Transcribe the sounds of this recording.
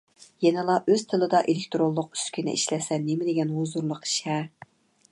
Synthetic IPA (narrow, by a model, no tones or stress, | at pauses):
jɛnɨlˠɑʔøz̥t̪ʰɨlˠɨd̪ɑʔelekʲt̪ɾolˠːʊq̚y̥skʲʰinɪ̰ʔḭʃlɛsɛnemɪd̪ɪɡʲɛnɦozuɾlˠʊqi̥ʃɛ